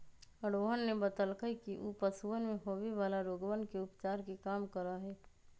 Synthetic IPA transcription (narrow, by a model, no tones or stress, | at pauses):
əɽoɦənːebət̪əlkəikiʔupəsuənmẽɦoːʋeʋaːlaɾoːɡəʋənkeʊpt͡ʃaːɾkekaːmkəɾaɦɛː